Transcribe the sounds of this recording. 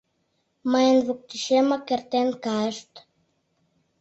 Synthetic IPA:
maenvuk̚t̪iʃemakeɾt̪enkaʃt̪

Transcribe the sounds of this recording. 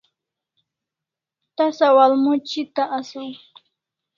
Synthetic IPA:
t̪asawalmʊt͡ʃɪt̪aʔasʊŋ

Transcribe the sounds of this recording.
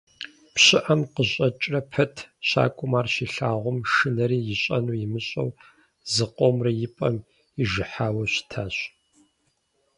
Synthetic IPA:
pɕɪʔɐmqəɕʼɐt͡ʃʼrɐpʰɐtʰɕa̰ːkʷʼʊmaːrɕiːɬaːʁʷʊmʂɨnɐɾiːjɪɕʼɐnuːjɪmɨɕʼɐ̰w | zɨqʷʼomrɐjɪpʼɐm | ɪʒɨħaːwɐɕɪ̥tʰaːɕ

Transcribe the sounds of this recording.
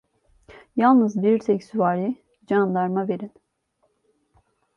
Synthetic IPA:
jalˠnɯzbiɾt̪ʰɛcsuvaːɾi | d͡ʒand̪aɾmave̞ɾin

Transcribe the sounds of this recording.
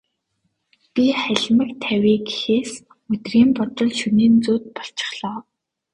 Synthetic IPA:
pʲiχæɮʲmə̆kt̪ʰæwʲiːɡi̥xeːs | mɵt̪riːmpɔt̪ɞ̆ɮʃuniːnt͡suːt̪̚pɔɬt͡ɕɪ̥̆χɮɔː

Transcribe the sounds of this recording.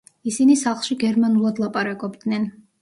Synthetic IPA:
isinisaχlˠʃiɡɛɾmanulˠad̪lˠapʼaɾakʼɔbd̪nɛn

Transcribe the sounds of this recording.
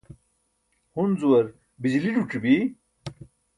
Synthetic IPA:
hunzuwɐɾ | bid͡ʑiliɖuʈ͡ʂibi

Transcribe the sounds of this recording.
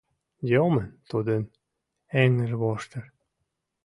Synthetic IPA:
jomənt̪ud̪ən | æŋəʒβoʃt̪ə̆r

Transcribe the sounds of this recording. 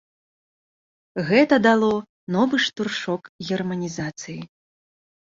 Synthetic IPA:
ɣɛt̪ɐd̪alˠɔ | nɔvɨʂt̪urʂɔkɣʲɛrmɐnʲizat̪sɨji

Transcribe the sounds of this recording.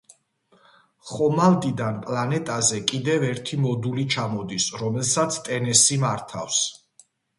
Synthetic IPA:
χɔmald̪id̪anpʼlanɛt̪ʼazɛkʼid̪ɛvɛɾt̪ʰimɔd̪ulit͡ʃʰamɔd̪isɾɔmɛlsat̪sʰt̪ʼɛnɛsimaɾt̪ʰa̰fs

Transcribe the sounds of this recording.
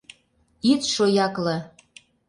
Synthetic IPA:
it̪ʃojɑklɤ̆

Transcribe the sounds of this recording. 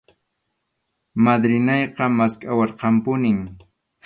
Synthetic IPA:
mad̪ɾɪnɑjqɑmaskʼawɑɾqɑmpʊnɪŋ

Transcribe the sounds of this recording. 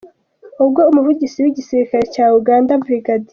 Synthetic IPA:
ubɡoumuvuɟisiwiɟisiɾikaɾecaːuɡaːndabɾiɡadi

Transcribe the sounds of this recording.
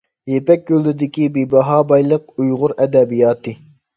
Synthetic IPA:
jepɛkʲjølɪd̪ɪkʲibibɑɦɑːbɑjlˠəq̚ujʁʊɾɛd̪ɛbijɑːt̪ʰɨ

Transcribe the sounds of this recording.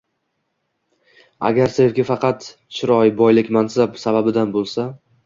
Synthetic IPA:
a̰ɡʲaɾsevɡʲafɑqʰɑt̪ | t͡ʃʰɪɾɒjbɒjlɪkʲmansapsababɪd̪anbolˠsa

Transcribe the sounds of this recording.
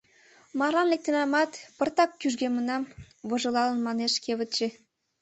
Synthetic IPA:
mɑrlɑnlek̚t̪ĕnɑmɑt̪pɤ̆rt̪ɑkːyʒɡemə̆nɑm | βɤ̆ʒɤ̆lɑlə̆nmɑneʃkeβə̆t̪t͡ɕĕ

